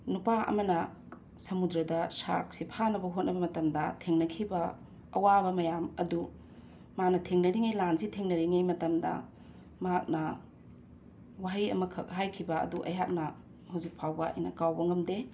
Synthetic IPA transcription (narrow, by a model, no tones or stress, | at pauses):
nupaʔɐ̰mɐnɐ | sɐmudɾɐdɐsa̰k̚sipʰanɐbɐɦot̚nɐbɐmɐtɐmdɐtʰeŋnɐkʰibɐː | wabɐmɐjamɐdu | manɐtʰeŋnɐɾiŋejlansitʰeŋnɐɾiŋejmɐtɐmdɐ̰ | mɐɦak̚nɐ | waɦijɐ̰mɐkʰɐk̚ɦajkʰibɐɐ̰duʔɐ̰jɦak̚nɐ | hawzik̚pʰawbɐɐ̰jnɐkawbɐŋɐmde